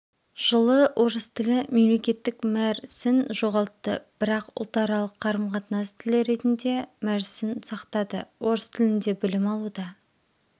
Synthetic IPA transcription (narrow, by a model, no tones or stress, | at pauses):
ʒ̥əlˠəwʔo̞ɾəst̪ʰɪlɪme̞mle̞kʲe̞t̪ːɪkmæɾsɪnʒo̞ʁɑlˠt̪ːəb̥ɪɾɑqʊ̰lˠt̪ɑɾɑlˠəqʰːɑɾəmqʰɑt̪nɑst̪ʰɪlɪɾe̞t̪ɪnd̪e̞mæɾsɪnsɑqt̪ɑd̪əwo̞ɾəst̪ʰɪlɪnd̪e̞bɪlɪmɑlˠud̪ɑ